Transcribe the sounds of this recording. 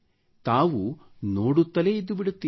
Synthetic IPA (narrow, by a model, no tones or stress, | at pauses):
t̪aːʋu | noːɽut̪ːɐle̞id̪ːubiɽut̪ːiː